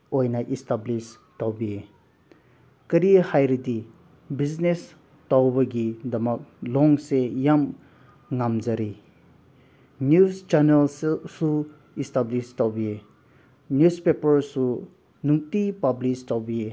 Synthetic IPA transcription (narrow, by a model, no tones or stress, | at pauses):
ojnaʔistablis | tawbie | kɐɾihajɾidi | biznes | tawbɐɡidɐmɐk̚lɔŋsejam | ŋamzɐɾi | njust͡ʃanelssu | istablistawbie | njuspepɐɾsu | nuk̚tipablistawbie